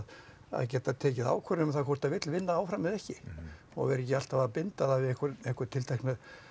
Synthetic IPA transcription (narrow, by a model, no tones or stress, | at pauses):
ð | a̰ðcɛːt̪aðt̪ʰɛːcɪða̰ːwkʰvɛɾʏmθakʰɔwr̥t̪aðvɪt̪lvɪnːaaːwfɾamːɪðɛhcɪ | ɔ̰ɣvɛɾɛc̬ɪal̥t̪avaapɪnt̪aðavɪðɛhkʏɾɛhkʏɾ̥t̪ʰɪlt̪ʰajhkna